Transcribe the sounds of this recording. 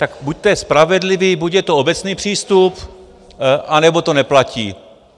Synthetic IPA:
t̪akbuc̚t̪ojɛspɾavɛdlɪviːbucjɛt̪oobɛt͡sniːpr̥iːst̪up | ʔanɛbo̞t̪o̞nɛplaciː

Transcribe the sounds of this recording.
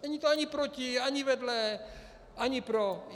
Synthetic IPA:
nɛɲiːt̪oaɲipɾociaɲivɛdlɛ | ʔaɲipɾo

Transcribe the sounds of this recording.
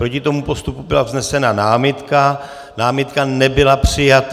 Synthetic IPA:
pɾo̞cɪt̪o̞mupo̞st̪upubɪlavznɛsɛnanaːmɪt̪ka | naːmɪt̪kanɛbɪlapr̥ɪjat̪

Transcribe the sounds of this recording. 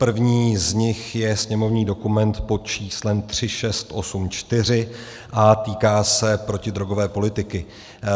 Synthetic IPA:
pr̩vɲiːzɲɪxjɛsɲɛmo̞vɲiːdo̞kumɛnt̪po̞t͡ʃiːslɛmt̪r̝̥ɪʃɛst̪ʔo̞sumt͡ʃt̪ɪr̝ɪ | ʔat̪iːkaːsɛpɾo̞cɪd̪ɾo̞ɡo̞vɛːpo̞lɪt̪ɪkɪ

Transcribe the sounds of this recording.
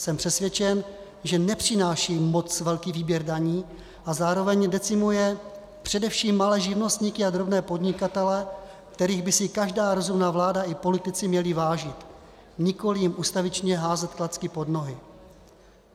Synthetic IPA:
sɛmpr̥ɛsvjɛt͡ʃɛn | ʒɛnɛpr̝̥ɪnaːʃiːmo̞t͡svɛlkiːviːbjɛɾdaɲiː | ʔazaːɾo̞vɛɲdɛt͡sɪmujɛ | pr̝̥ɛdɛfʃiːmːalɛːʒɪvno̞st̪ɲikɪad̪ɾo̞bnɛːpo̞dɲɪkat̪ɛlɛ | kt̪ɛɾiːɣbɪsɪkaʒdaːɾo̞zumnaːvlaːdaʔɪpo̞lɪt̪ɪt͡sɪmɲɛlɪvaːʒɪt̪ | ɲɪko̞lɪjɪmʔuːst̪avɪt͡ʃɲɛɦaːzɛt̪klat͡skɪpo̞dno̞ɦɪ

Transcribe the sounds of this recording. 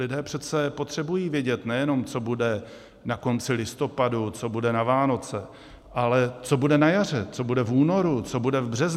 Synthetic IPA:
lɪdɛːpr̥ɛt̪t͡sɛpo̞t̪r̝̥ɛbujiːvjɛɟɛt̪nɛjɛno̞mt͡so̞budɛ | nako̞nt͡sɪlɪst̪o̞padut͡so̞budɛnavaːno̞t͡sɛ | ʔalɛt͡so̞budɛnajar̝ɛt͡so̞budɛfuːno̞ɾut͡so̞budɛvbr̝ɛz

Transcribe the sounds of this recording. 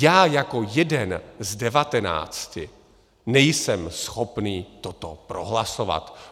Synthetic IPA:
jaːjako̞jɛdɛnzdɛvat̪ɛna̰ːt͡scɪ | nɛjsɛmsxo̞pniːt̪ot̪opɾo̞ɦlasova̰t̪

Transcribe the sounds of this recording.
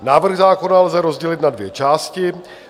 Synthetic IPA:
naːvr̩ɣzaːko̞nalzɛɾo̞zɟɛlɪt̪nadvjɛt͡ʃaːscɪ

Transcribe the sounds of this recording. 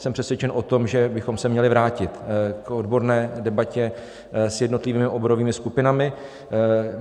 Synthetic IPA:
sɛmpr̥ɛsvjɛt͡ʃɛnʔo̞t̪o̞mʒɛbɪxo̞msɛmɲɛlɪvɾaːcɪt̪ko̞dbo̞ɾnɛːdɛbacɛ | sjɛdno̞t̪lɪviːmɪʔobo̞ɾo̞viːmɪskupɪnamɪ

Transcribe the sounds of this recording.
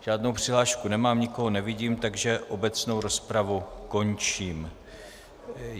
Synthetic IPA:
ʒ̥aːdnowpr̥ɪɦlaːʃkunɛmaːmɲɪko̞ɦonɛvɪɟiːmt̪aɡʒɛʔo̞bɛt͡sno̞wɾo̞spɾavuko̞nt͡ʃiːm

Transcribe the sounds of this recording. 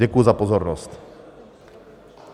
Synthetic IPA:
ɛkujuzapɔzɔɾnɔst̪

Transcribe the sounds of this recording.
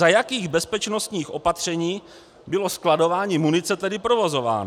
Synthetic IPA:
ajakiːɣbɛspɛt͡ʃno̞st̪ɲiːxʔo̞pat̪r̝̥ɛɲiː | bɪlo̞sklado̞vaːɲiːmunɪt͡sɛt̪ɛdɪpɾovo̞zo̞va̰ːn

